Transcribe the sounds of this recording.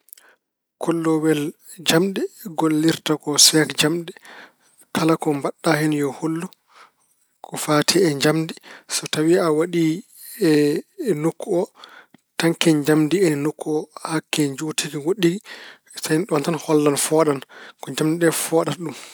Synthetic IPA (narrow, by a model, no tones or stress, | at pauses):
kʰɔlːɔwɛl | d͡ʒamɗɛɡolːiɾtakɔsɛkd͡ʒamɗɛ | kʰalakɔmbaɗːahɛnjɔhulːu | kʰɔfaːtʰiɛɲd͡ʒamdisɔtawiawaɗi | ɛnukːuɔtaŋkɛɲd͡ʒamdiɛnukːuɔhakːɛɲd͡ʒuːtiɡiwoɗiɡi | sajnɗɔntanhɔlːanfɔɗankɔɲd͡ʒamdiɗɛfɔːɗatɗum